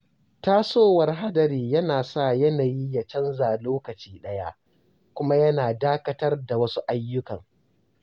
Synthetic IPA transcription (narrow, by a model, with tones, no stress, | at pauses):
taː˦soː˦wɐ˨rɦa˦dɐ˨ɾiː˨jɐ˦naː˨sa˦˨jɐ˦naː˨ji˦ja˨t͡ʃɐ˦nzaː˨loː˦kɐ˨t͡ʃiː˦ɗɐ˦ja̰˦ʔ | kʷʊ˦ma˦jɐ˦naː˨daː˦kɐ˦tɐ˦rda˨wɐ˦su˦ʔa˦jːʊ˦kɐ˨ŋ